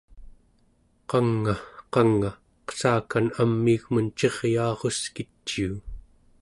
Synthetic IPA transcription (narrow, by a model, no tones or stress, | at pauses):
qɑŋːaqɑŋːa | qə̥saːkanamːiɣmənt͡ʃe̞ʁjɑːʁo̞skit͡ʃːiː